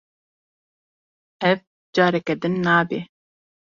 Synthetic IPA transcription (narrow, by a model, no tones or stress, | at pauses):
ʔɛv | d͡ʒaːɾɛkɛd̪ɨnːaːbe